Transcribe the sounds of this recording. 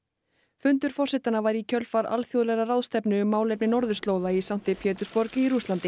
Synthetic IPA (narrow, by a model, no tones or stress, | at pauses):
fʏnt̪ʏɾ̥fɔr̥sɛht̪anavaɾicʰœlfaɾa̰lθjowðlɛɾarawðst̪ɛpnʏːmːaːwlepnɪnɔɾðʏst̪lowðaisawn̥t̪ɪpʰjɛːt̪ʏ̥spɔɾcɪiɾust̪lant̪ɪ